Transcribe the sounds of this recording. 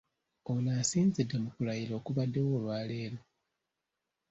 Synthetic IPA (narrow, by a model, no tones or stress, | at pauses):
onaːsiːnzidːemukulajiɾo̞ːkuβadːe̞wolwaːle̞ːɾo